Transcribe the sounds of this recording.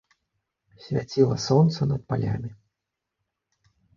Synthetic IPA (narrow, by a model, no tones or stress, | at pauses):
sʲvʲat͡sʲilˠɐsɔnt̪sɐnɐt̪̚palʲa̰mʲi